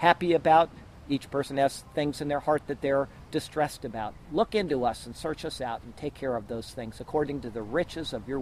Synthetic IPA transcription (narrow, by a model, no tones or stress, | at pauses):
hæpiɨbaʊɾ | it͡ʃpʰɜ˞sɨ̃nɨz̥θɪ̃ŋzɨ̃nðə˞hɑɹt̪̚ðɨt̪̚ðə˞ | d̥ɨstɹ̥ɛstɨbaʊt̚lʊkɪ̃ntuʌsn̩sɜ˞t͡ʃʌsaʊɾn̩tʰeɪkʰɛɹʌvðoʊz̥θɪ̃ŋz̥ɨkʰɔɹɾɪ̃ŋtɨðɨɹɪt͡ʃɨzʌvjə˞